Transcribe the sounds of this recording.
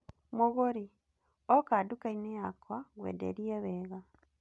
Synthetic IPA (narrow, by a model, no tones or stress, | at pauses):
moɣoɾi | ɔkadukainejakwaɣwḛːdḛɾiɛβɛːɣa